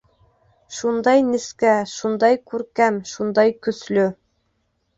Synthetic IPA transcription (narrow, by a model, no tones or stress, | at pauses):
ʃund̪ɑjnɘskæʃund̪ɑjkʉɾkæmʃund̪ɑjkɵ̆slɵ